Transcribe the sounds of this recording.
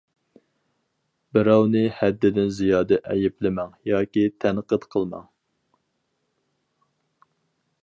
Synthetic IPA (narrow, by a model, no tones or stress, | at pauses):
bɪɾɑwnɪhɛd̪ːɪd̪ɪnzijɑːd̪ɛʔɛjɪplɪmɛŋjɑːkʲit̪ʰænqət̪qʰəlˠmɑ̰ŋ